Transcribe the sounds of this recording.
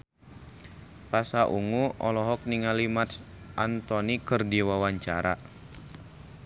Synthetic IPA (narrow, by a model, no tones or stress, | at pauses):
pasaʔuŋuɔlɔɦɔk̚niŋalimat̪s | ʔant̪ɔnikərdiwawaɲt͡ʃaɾa